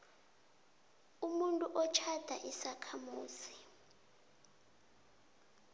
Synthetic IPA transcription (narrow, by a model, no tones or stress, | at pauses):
umuntʼuʔɔt͡ʃʰad̥ʱaʔisakʰamuːsi̥